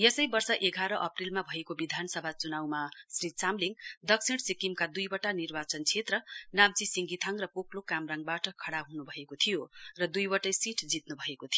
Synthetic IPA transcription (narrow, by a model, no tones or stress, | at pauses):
jesʌjbʌrsʌʔeɡʱaɾʌʔʌprilmabʱʌekobid̪ʱansʌbʱat͡sunawmasrit͡samliŋd̪ʌksʰiɽsikimkad̪ujbʌʈanirbat͡sʌnt͡sʰet̪rʌnam̚t͡sisiŋɡit̪ʰʌŋrʌpokʰlokamraŋɡbaʈʌkʰʌɽaɦunubʱʌekot̪ʰijorʌd̪ujwʌʈʌjsiʈʰd͡zit̪nubʱʌekot̪ʰijo